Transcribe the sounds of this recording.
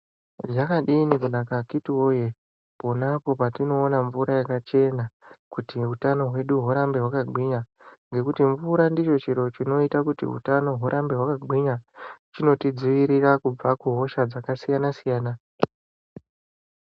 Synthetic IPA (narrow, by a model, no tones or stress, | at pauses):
ʐakaɗiːnikunakakitiwoje | po̞napo̞patino̞ːnaɱvuɾajakat͡ʃe̞nakutiutano̞ɦwe̞ɗuɦuɾambe̞ɦwakaɡʱiɲa | ŋɡe̞kutiɱvuɾandit͡ʃo̞t͡ʃiɾo̞t͡ʃino̞itakutḭṵtano̞ɦuɾʔambe̞ɦwakaɡʱiɲat͡ʃino̞tid͡ziʋiɾirakub͡vakuɦo̞ʃad͡zakasijanasijaːna